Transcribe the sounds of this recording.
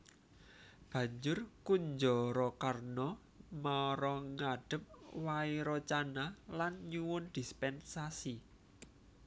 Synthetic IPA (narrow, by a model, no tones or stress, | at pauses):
b̥ä̤ɲd͡ʒʊrkuɲd͡ʒɔɾɔkarnɔ | maɾɔŋaɖ̥ə̤p̚waiɾɔt͡ʃanalanɲuwʊnd̪̥ispɛnsasi